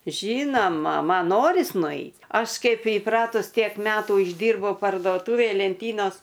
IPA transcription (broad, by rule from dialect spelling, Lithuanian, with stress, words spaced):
ˈʒʲiːnoːmɐ ˈmɐn ˈnoːrʲɪs nʊˈɛɪt ˈɐʃ ˈkɐɪp iːˈprɑːtʊs ˈtʲiɛk ˈmʲæːtuː ɪʒʲˈdʲiːrbɐʊ pɐrduɔˈtʊʋʲeːj lʲɛnʲˈtʲiːnoːs